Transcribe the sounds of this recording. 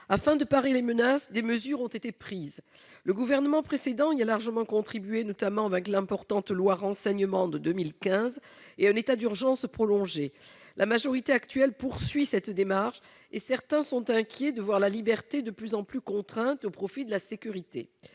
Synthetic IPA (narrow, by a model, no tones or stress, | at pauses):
afɛ̃d̪əpaʁelemənasd̪eməzyʁɔ̃t̪et̪epχiz | ləɡuvɛʁnəmɑ̃pχesed̪ɑ̃ialaʁʒəmɑ̃kɔ̃t̪χibyenɔt̪amɑ̃vɛ̃klɛ̃pɔʁt̪ɑ̃t̪lwaʁɑ̃sɛɲəmɑ̃d̪əd̪əmilkʲɛ̃z | eɛ̃net̪ad̪yʁʒɑ̃spχɔlɔ̃ʒe | lʔamaʒɔʁit̪eakt̪ɥɛlpuʁsɥisɛt̪d̪emaʁʃ | esɛʁt̪ɛ̃sɔ̃t̪ɛ̃kʲjed̪əvwaʁlalibɛʁt̪ed̪əplyzɑ̃plykɔ̃t̪χɛ̃t̪opχɔfid̪əlasekʲyʁit̪ḛ